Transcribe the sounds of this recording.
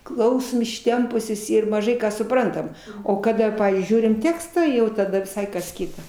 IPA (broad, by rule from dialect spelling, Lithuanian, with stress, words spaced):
ˈklˠɐʊsoːm ɪʃʲˈtʲɛmpʊsʲoːs ɪr mɐˈʒɐɪ ˈkɑː sʊˈprɐntɐm oː kɐˈdɐ ˈpɑːʋʲiːzʲd͡ʒʲʊɪ ˈʒʲuːrʲɪm ˈtʲæːkstɑː jɛʊ tɐˈdɐ ʋʲɪˈsɐɪ kɐs ˈkʲɪtɐ